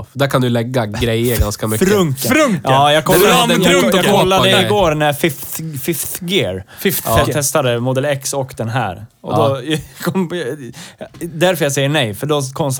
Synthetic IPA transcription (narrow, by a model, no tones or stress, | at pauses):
d̪æɾkʰand̪ɵlɛɡːaɡɾɛjːəɾɡanskamʏkɾɵŋɾkɑːjɑːkʰɔlːaɑːkʰɔlːad̪əɪɡoːɾnæfɪft̪fɪft̪ɡɪɾfɪft̪t̪ʰɛst̪ad̪əmʊd̪ɛlɛksɔkːd̪ɛnɦæ̰ːɾɔ̰d̪ɔkʰɔm | d̪æɾfœɾjasɛjːəɳɛjfœɖɔkʰɔms